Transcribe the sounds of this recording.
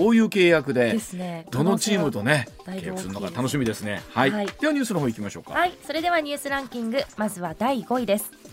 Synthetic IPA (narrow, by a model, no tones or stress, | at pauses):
o̞ːjɯ̟ːke̞ːjakɯ̟d̪e̞esned̪̥o̞no̞t͡ɕiːmɯ̟t̪o̞ne̞ | keːjakɯ̟sɨɾɯnokat̪ano̞ɕ̬imʲid̪e̞sɨne̞̰haid̪e̞βaɲ̟ɨːsɨnoɦoːikʲimaɕo̞̰ːka̰haiso̞ɾe̞d̪e̞β̞aɲ̟ʲɨːsɨɾãŋkʲĩŋɡɯ̟mazɨβad̪aiɡo̞id̪e̞sɨ̥